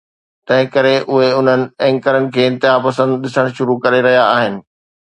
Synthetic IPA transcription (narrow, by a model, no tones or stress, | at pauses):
t̪ɐ̃ɦɪ̃kɐɾeʔʊɦeʊn̤ənɪ̆ɛ̃ːŋkəɾənɪ̆kʰeːɪ̃nt̪ɪɦapɐsə̃nd̪ɗɪsəɽ̃ʃʊɾukɐɾeɾɐɦijaaːɦɪnɪ̆